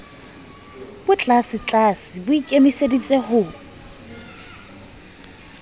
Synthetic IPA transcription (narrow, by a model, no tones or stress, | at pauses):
bʊt͡ɬʼasɪt͡ɬʼasɪbʊikʼemisedit͡sʼehʊ